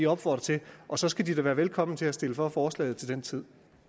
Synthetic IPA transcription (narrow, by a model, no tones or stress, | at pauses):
iɒ̽b̥fɒ̰d̥ʁɐt͡sʰe̝ʔɒ̽sɒ̽sɡ̥æd̥idæʋæːɐʋelkʰɒ̽m̰n̩t͡sʰe̝æsd̥e̝ləfɒ̽fɒːslɛ̰ɪð̩ˠt͡sʰe̝ld̥ent͡sʰið̰ˠ